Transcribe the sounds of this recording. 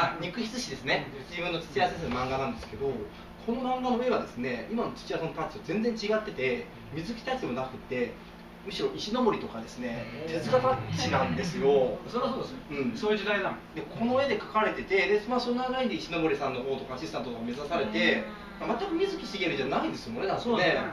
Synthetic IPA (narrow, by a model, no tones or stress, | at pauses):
aɲ̟ʲikɯ̟çʲi̥t͡sɨɕid̪e̞sɨne̞d͡ʑibɯ̟nːo̞t͡sɨ̥t͡sɨjases̬enomãŋɡanãnd̪esɨ̥ked̪o̞ | kʰo̞no̞mãŋɡaoeβad̪e̞sɨne̞imano̞t͡sɨ̥t͡ɕiasonopat͡ɕiazẽ̞nd͡zẽ̞ɲ̟t͡ɕiɡat̪ːe̞t̪e̞ | mʲizɨkʲi̥t̪at͡ɕid̪e̞mo̞nakɯ̟t̪ːe̞ | mɯ̟ɕiɾo̞ʔiɕino̞bo̞ɾit̪o̞kad̪e̞sɨne̞t̪ʰe̞zɨɡapat͡ɕt͡ɕinãnd̪e̞sɨjo̞soɾesoːd̪esnɯ̟̃ɴsoːjɯ̟d͡ʑid̪ainad̪ekʰo̞no̞e̞d̪e̞kḁkaɾe̞t̪e̞t̪e̞d̪e̞smaso̞nːaanaind̪eiɕino̞bo̞ɾʲisãnːo̞ɦo̞ːt̪o̞kaːɕisɨ̥t̪ãnt̪ot̪okːame̞zasaɾe̞t̪e̞ | mamat̪ːakɯ̟mʲizɨkʲi̥siɡʲe̞ɾɯ̟ʑanaind̪e̞sɨjokoɾed̪aoe